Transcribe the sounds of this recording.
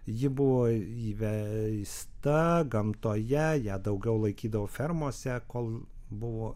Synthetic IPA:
jɪbʊʋoːiːʋʲɛst̪ɐɡɐmt̪oːjɛjæd̪ɐʊɡʲɛʊlˠɐɪkʲiːd̪ɐʋoːfʲɛɾmoːsʲɛkoːlˠbʊʋoː

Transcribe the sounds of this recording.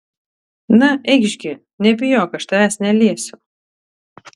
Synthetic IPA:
nɐʔɛɪɡʒʲɡʲɪ | nʲɛbʲɪjoːkɐʃt̪ɐæsnʲɛlʲiɛsʲʊ

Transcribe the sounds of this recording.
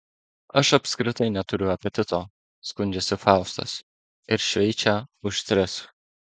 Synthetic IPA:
ɐʃɐpʲskɾʲɪt̪ɐɪnʲɛt̪ʊɾʲʊɐpʲɛt̪ʲɪt̪oː | skʊnʲd͡ʒʲɛsʲɪfɑʊst̪ɐ̰s | ɪɾʃʲʋʲɛɪt͡ʃʲæʊʃt̪ʲɾʲɪs

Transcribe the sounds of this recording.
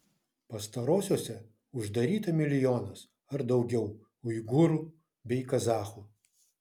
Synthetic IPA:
pɐst̪ɐɾoːsʲoːsʲɛ | ʊʒd̪ɐɾʲiːt̪ɐmʲɪlʲɪjoːnɐs | ɐɾd̪ɒʊɡʲɛʊ | ʊjɡʊɾuː | bʲɛɪkɐzɑːxu

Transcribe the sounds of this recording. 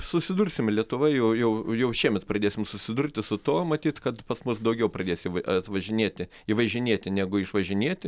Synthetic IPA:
sʊsʲɪd̪ʊrʲsʲɪmlʲiɛt̪ʊʋɐjɛjɛʊjɛʊʃʲiɛmʲɛt̪prɐd̪ʲeːsʲɪmsʊsʲɪd̪ʊrʲt̪ʲɪsʊt̪uɔmɐt̪ʲiːt̪kɐt̪pɐsmʊsd̪ɐʊɡʲɛʊprɐdʲeːsʲɪɐt̪ʋɐʒʲɪnʲeɛt̪ʲɪ | iːʋɐʒʲɪnʲiɛt̪ʲɪnʲæɡʊɪʃʋɐʒʲɪnʲiɛt̪ʲɪ

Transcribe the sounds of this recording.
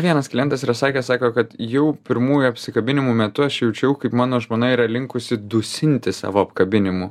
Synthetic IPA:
ʋʲiɛnɐsklʲɪjɛnt̪ɐsiɾɐsɑːkʲeːsɑːkoːkɐt̪jɛʊpʲɪɾmuːjuɐpʲsʲɪkɐbʲɪnʲɪmumʲɛt̪ʊɐʃjɛʊt͡ʃʲɛʊkɐɪpmɑːnoːʒmoːnɐɪiːɾɐlʲɪŋkʊsʲɪd̪ʊsʲɪnʲt̪ʲɪsɑ̰ːʋoːɐpkɐbʲɪnʲɪmu

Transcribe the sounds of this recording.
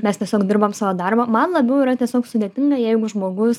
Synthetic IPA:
mʲɛst̪ʲiɛsʲoːkd̪ʲɪɾbɐmsɑːʋoːd̪ɐrbɐmɐnlˠɐbʲɛʊɪɾɐt̪ʲiɛsʲoːksʊd̪ʲeːt̪ʲɪŋɡɐjɛɪɡʊʒmoːɡʊs

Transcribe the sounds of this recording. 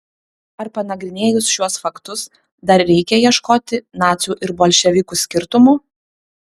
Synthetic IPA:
ɐɾpɐnɐɡɾʲɪnʲeːjʊsʃʲuɔsfɐkt̪ʊs | d̪ɐɾɾʲɛɪkʲɛjiɛʃkoːt̪ʲɪnɑːt̪sʲuːʔɪɾboːlʲʃʲɛʋʲɪkuːsʲkʲɪɾt̪ʊmuː

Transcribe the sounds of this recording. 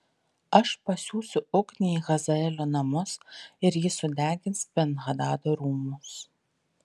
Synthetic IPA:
ɐʃpɐsʲuːsʊʊknʲeiɣɐzɐɛlʲoːnɐmʊsɪɾjɪsʊd̪ʲæːɡʲɪnspʲɛnɣɐd̪ɑːd̪oːɾuːmʊs

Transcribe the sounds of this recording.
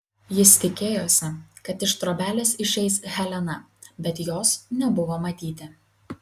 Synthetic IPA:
jɪst̪ʲɪkʲeːjoːsʲɛkɐt̪ɪʃt̪ɾoːbʲæːlʲɛsɪʃʲɛɪsɣʲɛlʲɛnɐbʲɛt̪joːsnʲɛbʊʋoːmɐt̪ʲiːt̪ʲɪ

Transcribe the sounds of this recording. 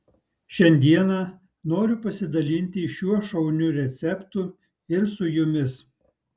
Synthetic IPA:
ʃʲɛnʲd̪ʲiɛnɑ | noːɾʲʊpɐsʲɪd̪ɐlʲinʲt̪ʲɪɪʃʲuɔʃɐʊnʲʊɾʲɛt̪sʲɛpt̪ʊ | ɪɾsʊjʊmʲɪs

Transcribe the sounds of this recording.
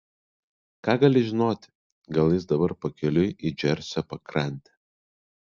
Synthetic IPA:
kɑːɡɐlʲɪʒʲɪnoːt̪ʲ | ɡɐlˠjɪs̬d̪ɐbɐɾpɐkʲɛlʲʊid͡ʒʲɛɾʲsʲɔpɐkɾɐnʲt̪ʲɛ

